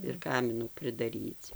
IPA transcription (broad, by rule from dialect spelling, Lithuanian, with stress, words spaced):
ɪr ˈkɑːmʲɪnuː pʲrʲɪdɐˈrʲiːt͡s